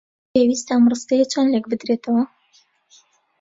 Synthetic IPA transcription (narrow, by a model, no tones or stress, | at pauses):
ewist̪amrɨst̪ejet͡ʃʰanlek̚bɨd̪ɾeːt̪ʰɐwɐ